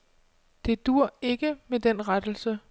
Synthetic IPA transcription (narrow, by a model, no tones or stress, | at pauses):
d̥e̝d̥uɐ̰e̝ɡ̥əmed̥en̰ʁad̥l̩sə